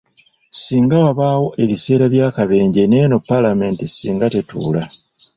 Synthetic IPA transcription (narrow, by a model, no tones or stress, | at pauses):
siːŋɡawaβaːwo̞ʔe̞βise̞ːɾaβjaːkaβe̞ːɲɟeneno̞pːalame̞ːntisiːŋɡate̞tṵːla